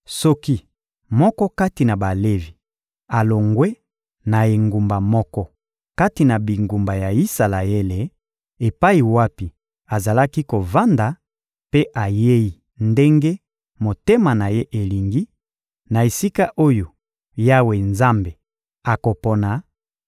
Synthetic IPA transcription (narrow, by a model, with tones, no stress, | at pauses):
sɔ˦ki˦ | mɔ˦kɔ˦ka˦ti˨na˨ba˨le˦vi˨ | a˨lo˨ŋɡwe˦ | na˨e˨ŋɡu˨mba˨mɔ˦kɔ˦ | ka˦ti˨na˨bi˨ŋɡu˨mba˨ja˨i˦sa˨la˨e˦le˨ | e˨pa˦i˨wa˦pi˨ | a˨za˨la˦ki˦ko˨va˦nda˨ | pe˦ʔa˨je˦ji˨ | nde˦ŋɡe˦ | mo˨te˦ma˨na˨je˦ʔe˨li˨ŋɡi˦ | na˨e˨si˦ka˦ʔo˦jo˨ | ja˦we˨nza˦mbe˨ | a˨ko˨pɔ˨na˨